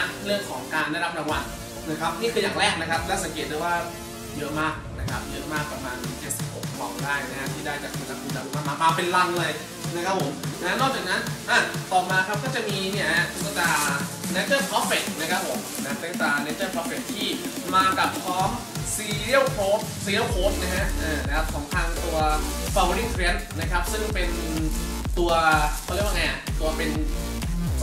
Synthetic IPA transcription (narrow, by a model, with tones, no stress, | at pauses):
ɾɯ˥˩əŋkʰɔː˩˦ŋkaː˧ndːaː˥˩ɾa˦˥p̚ɾa˧wa˧˩n | na˦˥˩kʰa˦˥p̚niː˥˩kʰɯː˧jaː˨˩ŋɾɛː˥˩k̚na˦˥kʰa˦˥p̚lɛː˦˥˩sa˨˦ŋk̬eː˨˩t̪̚du˥˩waː˥˩ | jɤ˦˥ʔmaː˥˩k̚na˦˥kʰa˦˥p̚jɤ˦˥ʔmaː˥˩k̚pɾa˧maː˧nkeː˦˥tsi˨p̚ho˨˩k̚ʰːɔː˧˩ŋdaː˥˩jna˦˥a˧˥t̪ʰiː˥˩daː˥˩jt͡ɕa˨˩k̚kʰu˧nla˧kʰu˧nlaː˧u˧˥˩maː˧˩maː˧maː˧pe˧nla˧ŋlɤː˧j | na˦˥kʰa˦˥p̚ʰo˨˩˦mna˦˥nɔː˥˩k̚t͡ɕaː˨˩k̚na˦˥nʔa˧˩t̪ɔː˨˩maː˧kʰa˦˥p̚kɔː˥˩t͡ɕa˨˩miː˧ni˥˩əɦsa˧˩t̪aː˧ne˦˥t͡ɕɤː˥˩pʰɔː˦˥p̚fe˨˩k̪̚na˦˥kʰa˦˥pʰo˩˦mna˦˥t̪e˨˦˥ŋt̪aː˨˩neː˦˥t͡ɕɤː˥˩pʰɔ˦˥pfe˨˩t̚t̪ʰːiː˥˩ | maː˧ka˨˩p̚kʰɔː˦˥m | siː˧ɾi˥ə˨wpʰoː˦˥p̚siː˧ɾi˥˩wkʰoː˦˥p̚na˦˥kʰa˦˥ʔʔaː˧˩na˦˥kʰa˥p̚sɔː˩˦ŋt̪ʰaː˧ŋt̪u˧ɐfa˧wɾi˥˩kʰɾe˦˥nna˦˥kʰa˦˥p̚sɯ˥˩ŋpe˧n˧ | t̪u˧ɐkʰːɾwa˥ŋa˧˩kʰɯː˨˦˧waː˥˧pe˧n